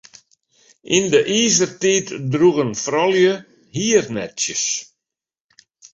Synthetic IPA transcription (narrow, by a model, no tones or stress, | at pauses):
ʔindəʔiːzərtiːtdruɣənfrɔljə | hiːərnɛ̰tsjəs